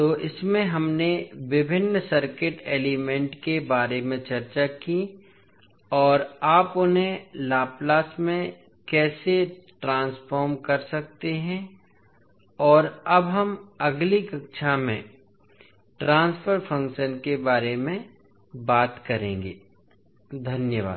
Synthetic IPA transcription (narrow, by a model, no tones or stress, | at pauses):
t̪oːʔɪsmẽɦɐmneʋɪbʱɪnːəsɐɾkɪʈeːlimẽɳʈkebaːɾemẽt͡ʃɐɾt͡ʃaki | ɔːɾaːpʊnɦẽlaːplaːsmẽ | kɛːseʈɾãːnspʰɔːɾmkɐɾsɐk̚t̪eɦɛ̃ | ɔːɾɐbɦɐmɐɡlikɐkʃʰamḛ̃ | ʈɾãːnspʰəɾpʰɐ̃ŋkʃənkebaːɾemẽ | baːt̪kɐɾẽːŋɡeː | d̪ʱɐnjəʋa̰ːd̪